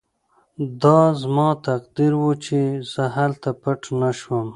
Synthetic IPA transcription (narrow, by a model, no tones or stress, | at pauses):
d̪ɑzmɑt̪aqd̪iɾwot͡ʃez̥əɦalt̪apəʈnaʃwəm